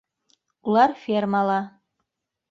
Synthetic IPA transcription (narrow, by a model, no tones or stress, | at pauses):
ulˠɑɾfʲermɑlˠɑ